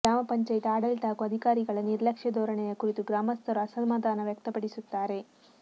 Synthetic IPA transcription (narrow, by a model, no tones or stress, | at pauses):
ɡɾaːmɐpɐɲt͡ʃaːjt̪iaːɽɐlʈ̪aːkuɐd̪ʱikaːɾiɡɐɭɐniɾlɐkʂjɐd̪ʱɔːɾɐɳejɐkuɾit̪uɡɾaːmɐst̪ʰɐɾɐɐsɐlmaːd̪aːnɐʋjɐk̚t̪ɐpɐɽisut̪ːaːɾe̞